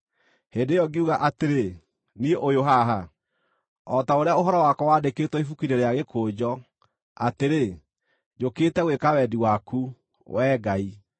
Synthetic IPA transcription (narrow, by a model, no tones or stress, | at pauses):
heːndejɔɡeuɣaʔateɾe | nieʔojoɦaɦa | ɔtaoɾeaoɦɔɾɔwaːkɔwadeketɔifukiɾeɾeaɣekoːd͡ʑɔ | ateɾe | d͡ʑoketɛɣwekawɛdiwaku | wɛːɡai